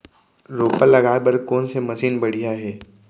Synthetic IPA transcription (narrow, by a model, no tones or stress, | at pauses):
ɾoːpəlːɐɡaːebɐɾkoːnsemɐʃiːnbɐɽ̤ijaɦɛː